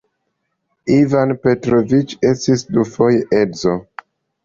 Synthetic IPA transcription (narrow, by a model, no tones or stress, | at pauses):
ivanpe̞tɾovit͡ʃestisdufo̞jeʔedzo